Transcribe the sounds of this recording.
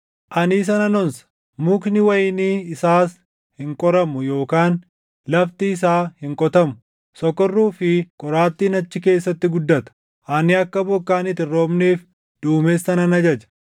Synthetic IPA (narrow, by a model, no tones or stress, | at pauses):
ʔɐniːs̬ɐnɐnɔnsɐ̥ | mʊknɪwɐjɪniːɪsaːs | hɪŋkʼɔɾɐmʊjo̞ːkaːn | lɐft̪iːs̬aːhɪŋkʼɔt̪ɐmʊ | sɔkːɔrːuːfɪkʼɔɾaːt̪ːiːnɐt͡ʃːɪke̞ːsːɐt̪ːɪɡʊd̪ːɐt̪ɐ̥ | ʔɐnɪɐkːɐbɔkːaːnɪt̪ɪrːo̞ːmneːf | d̪̥uːmeːsːɐnɐnɐd͡ʒɐd͡ʒɐ̥